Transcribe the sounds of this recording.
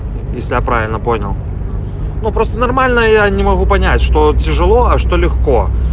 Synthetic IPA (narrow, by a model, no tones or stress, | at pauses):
jesʲlʲɪjapɾavʲɪlʲnəponʲɐ̰lˠ | nupɾɔst̪ənɐrmalʲnəjanʲɪmɐɣupɐnʲat͡sʲʂt̪ɔt͡sʲɪʐɨlˠɔɐʂt̪ɔlʲɪxkɔ